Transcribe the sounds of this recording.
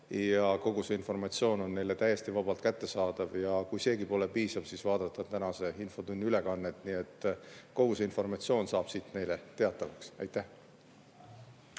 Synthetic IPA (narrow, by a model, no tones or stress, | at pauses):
jɑko̞ɡ̥use̞info̞rmɑt̪sio̞ːno̞nːe̞jle̞t̪æje̞st̪ivɑb̥ɑlt̪̚kæt̪ːe̞sɑːd̪̥ɑvjɑkujse̞ːɡipo̞le̞piːsɑv̥siːsvɑːd̪ɑt̪ˑːɑt̪ænɑse̞info̞t̪unːyle̞kɑnːe̞t̪ːˑnie̞t̪ːˑko̞ɡ̥useinfo̞rmɑt̪sio̞ːnsɑːb̥siːt̪ne̞jle̞t̪e̞ɑt̪ˑːɑvɑksɑjt̪ːˑæh